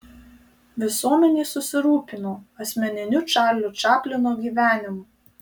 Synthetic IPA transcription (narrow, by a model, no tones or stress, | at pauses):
ʋʲɪsuɔmʲɛnʲiːsʊsʲɪɾuːpʲɪnoːɐsʲmʲɛnʲɪnʲʊt͡ʃʲɑːlʲʊt͡ʃʲɑːpʲlʲɪnoːɡʲiːʋʲæːnʲɪmʊ